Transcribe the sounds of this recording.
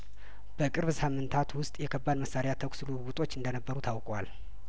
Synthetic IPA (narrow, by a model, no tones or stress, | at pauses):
b̥əkʼɨɾβsamːɨnt̪ʰat̪wʊst̪ʼjɛkʰəbːad̪məsːaɾejat̪ʰəksɨluɡut̪ʼo̞t͡ʃːɨnd̪ənəbːəɾut̪ʰawkʼwal